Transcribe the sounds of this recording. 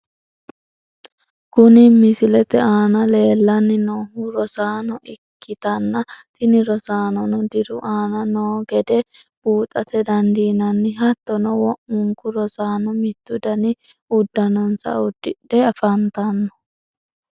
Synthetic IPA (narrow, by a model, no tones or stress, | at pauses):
kʊnɪmɪsɪlɛt̪ɛaːnɐle̞ːlːɐnːɪnoːɦuɾɔsaːnɔʔɪkːɪt̪ɐnːɐt̪ɪnɪɾɔsaːnɔnɔd̪ɪɾʊʔaːnɐnoːɡɛd̪ɛ | b̥uːt̪ʼɐt̪ɛd̪ɐnd̪iːnɐnːɪɦɐt̪ːɔnɔwɔʔʊŋkʊɾɔsaːnɔmɪt̪ːʊd̪ɐnɪ | ʊd̪ːɐnɔnsɐ̰ʊd̪ːɪᶑɛɐfɐnt̪ɐnːɔ